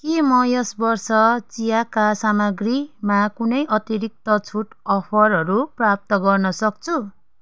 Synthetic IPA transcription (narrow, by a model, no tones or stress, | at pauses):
kimʌjʌsbʌrsʌt͡sijakasamʌɡrimakunʌjʔʌt̪iɾik̚t̪ʌt͡sʰuʈʌpʰʌrɦʌɾuprap̚t̪ʌɡʌrnʌsʌk̚t͡sʰu